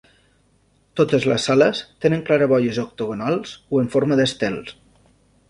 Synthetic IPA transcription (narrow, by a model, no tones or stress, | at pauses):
t̪ot̪əzləsːaləst̪enəŋklaɾəβɔʎəzok̚t̪uɣonalˠz̥oəɱfoɾməðəst̪ɛlˠs